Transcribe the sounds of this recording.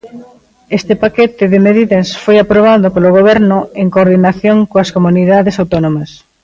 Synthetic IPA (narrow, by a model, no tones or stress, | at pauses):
est̪ɪpakɛt̪ɪðɪmeðiðɐsfojapɾoβ̞aðopoloɣ̞oβ̞ɛɾnʊeŋkoɾðinaθjoŋkoɐskomuniðaðesawt̪onomɐs